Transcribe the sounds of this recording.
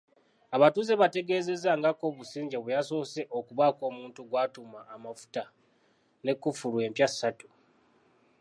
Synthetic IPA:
aβatuze̞βate̞ɡe̞ːze̞zaŋɡako̞βusiːɲɟeβejaso̞ːse̞ʔokuβako̞ːmuːntuɡwaːtumaːmafu̥ta | ne̞kːufuɾwe̞ːmpjasːatu̥

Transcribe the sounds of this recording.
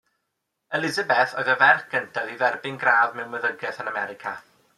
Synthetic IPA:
ɛlɪzabɛθɔɨðəvɛrkəntʰaðivɛrbɪnɡraːvmɛwməðəɡɛθənamɛɾɪkʰa̰

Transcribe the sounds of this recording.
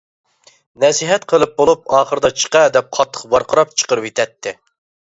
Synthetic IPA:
nɛsiɦɛt̪qʰəlˠɨp̚bolˠup̚ɑːχəɾɨd̪ɑt͡ʃʰə̥qɑd̪ɛp̚qʰɑt̪ʰːə̥χqbɑɾqʰəɾɑpt͡ʃʰə̥qəɾɨpet̪ʰɛt̪ʰːɪ

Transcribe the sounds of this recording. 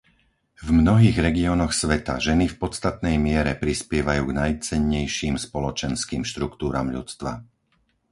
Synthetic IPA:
vmnɔɦiːɣɾɛɡiɔːnɔxsʋɛt̪a̰ʒɛnifpɔt̪st̪at̪nɛjmɪɛɾɛpɾispɪɛʋajuːɡnajt͡sɛɲːɛjʃiːmspɔlɔt͡ʃɛnskiːmʃt̪ɾukt̪uːɾa̰ːmʎṵt͡st̪ʋa̰

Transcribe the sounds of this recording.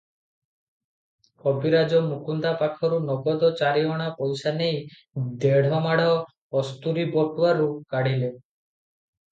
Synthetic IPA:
kɔbiɾad͡ʒɔmukund̪apakʰɔɾunɔɡɔd̪ɔt͡ʃaɾiɦɔɽ̃apɔjsanej | d̪eɽ̤ʱɔmaɽa | ɔst̪uɾibɔʈuwaɾukaɽile

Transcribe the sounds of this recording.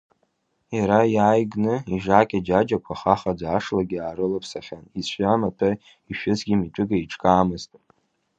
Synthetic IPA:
jaɾajaːjɡnɨiʒaːkʲʼad͡ʒad͡ʒakʷʰaχaχad͡zaʂlaɡʲiaːɾɨlɨpʰsaχʲanizʃʷamatʰa | iʃᶣʊzɡʲimit͡ʃʷʼʊɡaiʈ͡ʂʼkʼaːmɨztʼ

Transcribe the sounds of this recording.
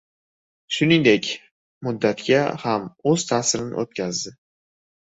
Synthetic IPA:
ʃʊniŋd̪ekʲ | mʊd̪ːat̪ɡʲahamɵz̥t̪ʰaːsɪɾɪnɪ̰ʔot̪̚kʲʰazd̪ɪ

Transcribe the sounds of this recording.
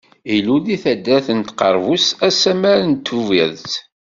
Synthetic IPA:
iluðiθæd̪ːæθənt̪qəɾˤvusæsæmæɾənt̪ʰːuviðt

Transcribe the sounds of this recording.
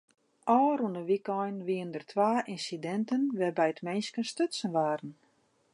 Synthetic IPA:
ʔɔːɾunəʋikɔjnʋiəndərtʰʋaːʔinsidɛntənʋɛbɛjətmɛnskənstøtsənʋaːɾən̩

